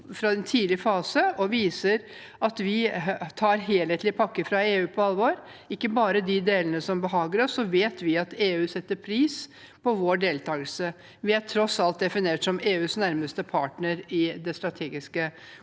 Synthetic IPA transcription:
fɾɑd̪ɛnt̪ʰiːd̪lɪəfɑːsəɔʋiːsəɾ | ɑt̪ʋɪt̪ʰɑːɾɦeːlheːt̪lɪpʰɑkːəfɾɑeːʉːpʰɔɑlʋoɾ | ɪkːəbɑːɾəd̪ɪd̪eːlənəsɔmbəɦɑːɡəɾɔsːɔʋeːt̪ʋɪɑt̪eːʉːsɛt̪ːəɾpʰɾiːs | pɔʋoːɖeːlt̪ʰɑːɡəlsə | ʋɪæʈʰɾɔsɑlt̪̚d̪ɛfɪneːʈsɔmeːʉːsnæɾməst̪əpʰɑːʈɳəɾɪd̪ɛst̪ɾɑt̪ʰeːɡɪskə

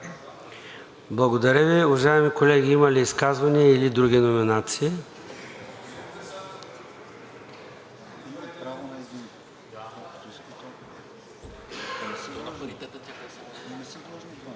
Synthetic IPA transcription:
blˠɐɡod̪ɐɾʲəviʊvɐʒaɛmikolɛɡʲiimɐliːskazvɐniəilid̪ɾuɡʲinominat̪siː

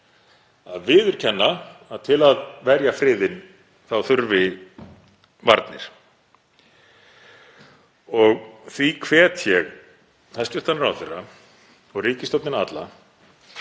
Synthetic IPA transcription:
aðvɪðʏɾ̥cʰɛnːaaðt̪ʰɪlaðvɛɾjafɾɪːðɪn | θawθʏɾvɪ | vaɾt̪nɪ̰ɾ̥ | ɔɣθvikʰvɛːt̪ʰjɛɣ | θast̪ʏrt̪ʰanɾa̰wθerːa | ɔɣriːcɪst̪ɔwt̪nɪnat̪la̰

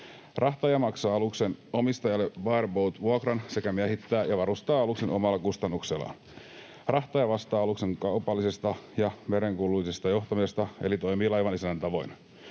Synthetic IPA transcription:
rɑht̪ɑjɑmɑksɑːɑlukse̞nomist̪ɑjɑlːeʋɑerbowt̪ʋuokrɑnse̞kæmiæɦit̪ːæːjɑʋɑɾust̪ɑːɑlukse̞nʔo̞̰mɑlːɑkust̪ɑnːukselːˑɑ̰n | rɑht̪ɑjɑʋɑst̪ɑːɑlukse̞ŋkɑupɑlːisest̪ɑjɑmeɾeŋkulːuisest̪ɑjoht̪ɑmisest̪ɑḛlit̪o̞jmiːlɑjʋɑnisænːænt̪ɑʋo̞̰jn

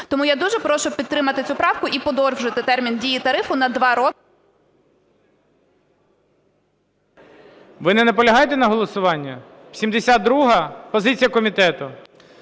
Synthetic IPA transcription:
t̪ɔmujad̪uʒɛpɾɔʃɔpʲid̪̚t̪ɾɪmɐt̪ɪt͡sʲupɾɑwkʊʔipɔd̪ɔrʒɪt̪ɪt̪ɛrmʲindʲijit̪ɐɾɪfʊnɐd̪ʋɑɾɔ | ʋɪnɛnɛpɔlʲɐɦɑjet̪ɛnɐɦɔlˠɔsʊʋɑnʲːɐ̥ | sʲimd̪esʲad̪ɾuɦɐpɔzɪt͡sʲijɐkɔmʲit̪ɛt̪ʊ

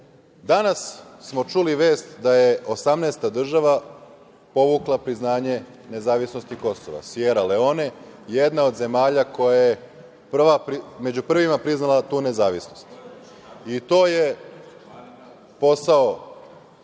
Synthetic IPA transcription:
d̪anasːmo̞t͡ʃuliʋeːst̪d̪ajeo̞samneːst̪ad̪r̩ʒaʋa | po̞ʋuklˠapɾiznaːɲe̞ | ne̞zaːʋisno̞st̪iko̞so̰ʋa̰sjeːɾale̞o̞ne̞je̞d̪nao̞d̪ze̞maːʎako̞jaje | pr̩ʋapɾimed͡ʑupr̩ʋimapɾiznalˠat̪uːne̞zaːʋisnost̪ | it̪o̞ːje̞ | po̞sao

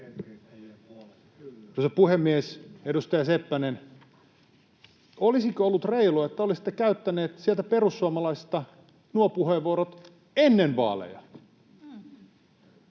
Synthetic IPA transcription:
kosɑpuhemːiesedust̪ɑjɑsepːænen | olisikøolːut̪reiluɑet̪ːæolisi̥t̪ːekæyt̪ːæneːt̪sielt̪æperusːuɑmɑlɑist̪ɑ | nuopuheːʋːuoɾot̪ | enːenʋɑ̰ːlḛjɑ̰

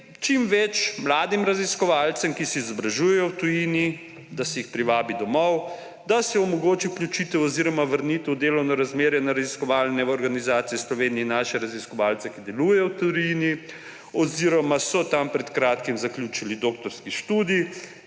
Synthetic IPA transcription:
t͡ʃimʋɛt͡ʃmlaːd̪imɾaziskɔʋaːlt̪sɛmkisɛizɔbɾaʒujɛjɔwt̪ujini | d̪asɛjixpɾiʋaːbid̪ɔmɔw | d̪asɛɔmɔɡoːt͡ʃiwklʲjut͡ʃit̪ɛwɔziɾɔmaʋəɾnit̪ɛwd̪eːlɔwnɔɾazmeːɾjɛnaɾaziskɔʋaːlnɛɔɾɡanizaːt̪sijɛslɔʋeːniɛnaːʃɛɾaziskɔʋaːlt̪sɛkid̪ɛlujɛjɔwt̪ujini | ɔziɾɔmasɔt̪ampɾɛt̪kɾaːt̪kimzaklʲjut͡ʃilid̪oːk̚t̪ɔɾskiʃt̪uːd̪i

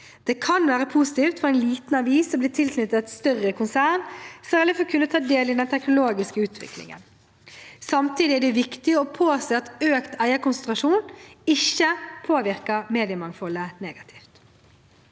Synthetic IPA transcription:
d̪̥ɛːkʰɑnʋæːɾəpʰusɪt̪iːft̪fɔæɪnliːt̪n̩ɑʋiːsːɔmblɪːt̪ʰɪlsnʏt̪ːət̪st̪œʁəkʰʊnsæːnsɛɛlːəfɔkʰʉnːət̪ʰɑːd̪eːlɪd̪ɛnt̪ʰɛknʊloːɡɪskəʉːt̪ʰʋɪ̰klɪ̰ŋə̰n | sɑmt̪ʰiːd̪ɪæɖɛʋɪkt̪ɪɔpʰoːseːɑt̪øːkt̪ʰæɪəkʊnsɛnt̪ɾɑʂuːnɪçːəpʰoːʋɪɾkəmeːd̪ɪəmɑŋfɔlːəneːɡɑt̪ʰi̥ːft̪

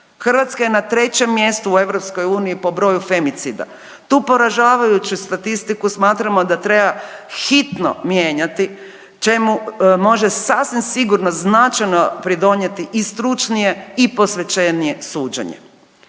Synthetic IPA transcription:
xr̩ʋat̪skajenat̪ɾe̞t͡ɕe̞mːje̞st̪uːe̞ʋɾopsko̞juːniipo̞bɾo̞jufe̞mit̪sid̪a̰ | t̪uːpo̞ɾaʒaːʋajut͡ʃust̪at̪ist̪ikusmaːt̪ɾamo̞d̪at̪ɾe̞baxit̪no̞̰mje̞ːɲat̪i | t͡ʃe̞mumo̞ʒe̞sasʋimsiɡuɾnoznat͡ʃajno̞pɾid̪o̞ɲe̞t̪iʔist̪ɾut͡ʃnije̞iposʋe̞t͡ʃe̞nije̞suːd͡ʒḛɲḛ

